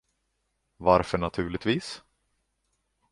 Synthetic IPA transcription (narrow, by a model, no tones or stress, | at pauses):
vaɾfœɳat̪ʰʉ̟ːɭɪt̪viːs